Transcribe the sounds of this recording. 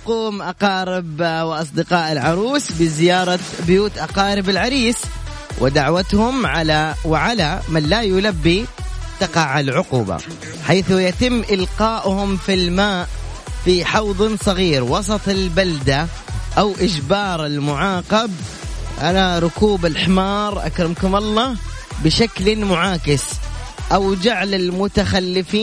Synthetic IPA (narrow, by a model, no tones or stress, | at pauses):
quːmʔɑqɑːɾˤɪbwɪʔɑs̬ˤd̪ɪqɑːʔɪlʕɑɾˤuːsbɪzɪjɑːɾˤɑ | bʊjuːt̪ʔɑqɑːɾɪbɪlʕaɾiːs | wʔɪd̪aʕwat̪hʊmʕalawʕalamanːajʊlabːit̪ɑqɑʕalʕʊquːba̰ | ħaːθʊjat̪ɪmːʔɪlqɑːʔʊhʊmfilmaːʔ | fiħɑwðˤnsˤɑɣiːɾwɑsˤɑt̪ˤɪlbald̪a | ʔawʔɪd͡ʒbɑːɾˤɪlmʊʕɑːqɑb̚ | ʕalaɾˤʊkuːbɪlħɪmɑːɾˤʔa̰kɾɪmkʊmɑlˤːɑːh | bɪʃaklmʊʕaːkɪsʔawd͡ʒaʕlalmʊt̪axalːɪfiː